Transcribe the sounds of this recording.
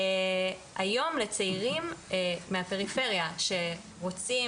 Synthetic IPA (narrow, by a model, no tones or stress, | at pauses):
ajo̞mle̞t͡seiʁimːeɦape̞ʁife̞ʁjaʃe̞ | ʁo̞t͡si